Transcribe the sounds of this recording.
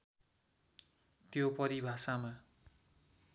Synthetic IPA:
t̪jopʌɾibʱasama

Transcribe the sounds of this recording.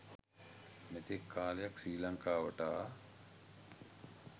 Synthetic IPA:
net̪ekʰːaːlejaksiːlaŋkaːʋəʈaː

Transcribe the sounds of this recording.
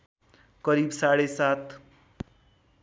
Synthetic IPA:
kʌɾibsaɽesat̪ʰ

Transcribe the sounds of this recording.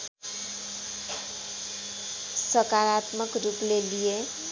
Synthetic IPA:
sʌkaɾat̪mʌkruplelije

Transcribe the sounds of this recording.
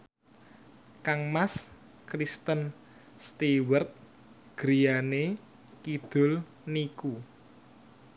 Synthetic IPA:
kaŋmas | kɾist̪ən | st̪iwərt̪̚ | ɡ̥ɾijane | kid̪̥ʊ̤l | niku

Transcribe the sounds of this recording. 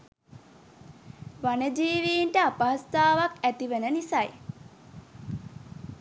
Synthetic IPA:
ʋanəd͡ʒiːʋiːnʈəapaɦast̪aːʋakæt̪iʋənənisaj

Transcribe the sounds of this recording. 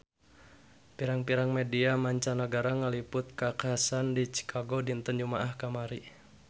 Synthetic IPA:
piɾaŋpiɾaŋmediamaɲt͡ʃanaɡaɾaŋalipʊt̪̚kakasandit͡ʃi̥kʰaɡodint̪ənd͡ʒumaʔahkamaɾi

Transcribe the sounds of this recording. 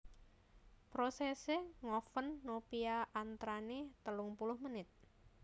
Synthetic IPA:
pɾosɛseŋɔfənːopiaʔant̪ɾanet̪əlʊŋpulʊhmənɪt̪̚

